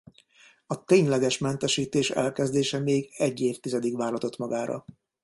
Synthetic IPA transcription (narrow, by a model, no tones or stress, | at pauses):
ɒt̪eːɲlɛɡɛʃmɛnt̪ɛʃiːt̪eːʃɛ̰lkɛzd̪eːʃɛmeːɡɛɟːeːft̪izɛd̪ikʋaːrɦɒt̪o̞t̪mɒɡaːɾɒ̰